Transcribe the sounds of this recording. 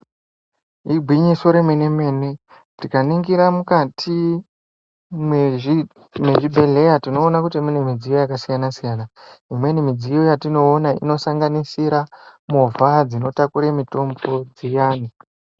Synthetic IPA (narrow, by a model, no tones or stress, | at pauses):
iɡʱwiɲiso̞ɾemene̞me̞ne̞ | tikaniŋɡiɾamukatʰi | m | me̞ʒibʱe̞ɮe̞jatino̞ːnakutimune̞mid͡zijo̞jakasijanasijanaimwe̞nimid͡zijo̞jatino̞ːnaḭno̞saŋɡanisiɾamovʱad͡zino̞takuɾemito̞mbo̞d͡zijaːni